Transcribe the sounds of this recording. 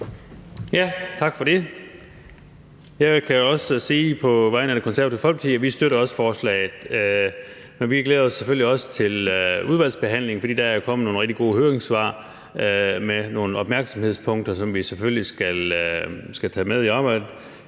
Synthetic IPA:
jæt͡sʰɑ̈ɡ̥fɒ̽d̥e̝ | jækʰæjoɒ̽ssiːpʰɒ̽ʋɑ̈ɪ̰nəæd̥ekʰonsæɐ̰̥efɒ̽lɡ̥t͡sʰiæʋisd̥øɾɐɒ̽sə̥fɒːslɛ̰ːɪð̩ˠ | menʋiɡ̥leːð̞̩ˠɒ̽sːefølliɒ̽sə̥t͡sʰe̝luð̞ˠæl̰sb̥e̝ɦæn̰le̝ŋ̩fɒ̽dḭːd̥ææɐjokʰɒ̽m̰̩no̝ːnʁeɡ̥̚d̥iɡ̥o̝̰ːhøːɐeŋsʋɑ̰̈ː | meno̝ːnəɒ̽b̥mæɐɡ̥sɒ̽mhe̝ð̞̰ˠspʰɔ̽ŋd̥ɐsɒ̽mʋiseføllisɡ̥æl | sɡ̥æt͡sʰɛ̰ːmeðˠiɑ̈ːb̥ɑ̈ɪ̰d̥̩

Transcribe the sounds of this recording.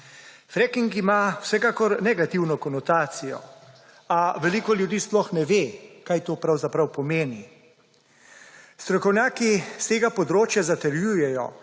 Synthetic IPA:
fɾɛkiŋkimawsɛkaːkɔɾnɛɡat̪iwnɔkɔnɔt̪aːt̪sijɔ̰ | aʋɛliːkɔljud̪iːsplɔxnɛʋeːkajt̪oːpɾawzapɾawpɔmeːni | st̪ɾɔkɔwnʲjaːkist̪eːɡapɔd̪ɾoːt͡ʃjazat̪ɛɾjuːjɛjɔ̰

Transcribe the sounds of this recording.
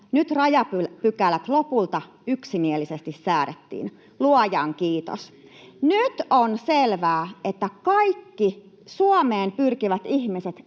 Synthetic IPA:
nyt̪rɑjɑpypykælæt̪lopult̪ɑ | yksimielisest̪issæːɾet̪ːḭːn | luɑjɑŋkiːt̪o̰snyt̪onselʋæːet̪ːækɑikːi | suɑmeːmpyrkiʋæt̪ihmiset̪

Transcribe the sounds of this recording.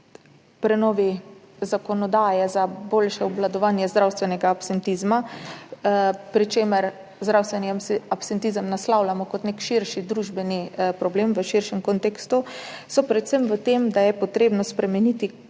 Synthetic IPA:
pɾɛnɔːʋi | zakɔnɔd̪aːjɛzaboːlʃɛɔblad̪ɔʋanjɛzd̪ɾawst̪ʋɛnɛɡaːpsɛnt̪izma | pɾit͡ʃeːməɾ | zd̪ɾawst̪ʋɛniapsɛnt̪izəmnaslawlamɔkɔt̪nekʃiɾʃid̪ɾuʒbɛnipɾɔbleːmʋəʃiɾʃɛmkont̪ekst̪usɔpɾɛt̪səmʋət̪emd̪ajɛpɔt̪ɾeːbnɔspɾɛmɛnit̪i

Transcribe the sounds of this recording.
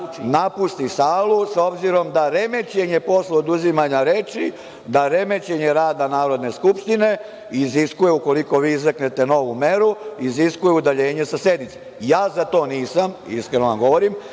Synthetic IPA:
napust̪isaːlˠuso̞bziɾo̞md̪aɾe̞me̞t͡ɕe̞ɲe̞po̞sleod̪uzimaɲaɾet͡ʃi | d̪aɾe̞me̞t͡ɕe̞ɲe̞ɾaːd̪anaːɾo̞d̪ne̞skupʃt̪ine̞ | iziskujeuko̞liko̞ʋiːizakne̞t̪e̞no̞ʋume̞ɾuiziskujeud̪aʎe̞ːɲe̞sase̞d̪nit̪se | jaːzat̪o̞ːniːsamiskɾe̞noʋamɡo̞ʋoɾim

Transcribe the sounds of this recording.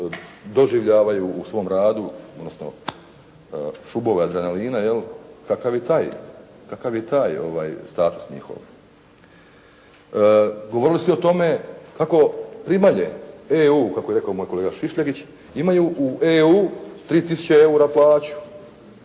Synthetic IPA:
d̪o̞ʒiʋʎaːʋajuːsʋo̞mɾaːd̪uod̪nosno̰ | ʃubo̞ʋad̪ɾaneliːnajelkakaʋjet̪aːj | kakaʋjet̪aːjo̞̰ʋaːjst̪aːt̪u̥sɲḭxo̰ʋa | ɡo̞ʋo̞ɾilisio̞t̪o̞me̞kako̞pɾimaʎḛeuːkakoeɾe̞kaomo̞ːjkoleːɡaʃiʃʎaɡit͡ɕ | imajuʔuʔeuːt̪ɾiːt̪isu̥t͡ɕeeuɾaplaːt͡ɕu̥

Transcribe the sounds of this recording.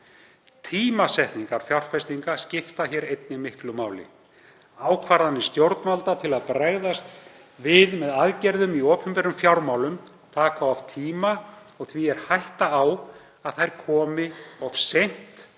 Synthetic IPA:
t̪ʰiːmasɛht̪niŋkaɾfjawr̥fɛst̪iŋkascɪft̪açɛɾejt̪̚nɪmɪht̪lʏmaːwlɪ̰ | aːwkʰvaɾðanːɪst̪jowɾt̪nmalt̪at̪ʰɪlaðpɾaɣðast̪ | vɪðmɛðaðcɛɾðʏmiɔːpʏmpɛɾʏmfjawɾmawlʏm | t̪ʰaːkawav̥t̪ʰiːmaɔɣθviɛɾ̥hajht̪aaw | aðθajɾ̥kʰɔːmɪɔv̥sejn̥t̪

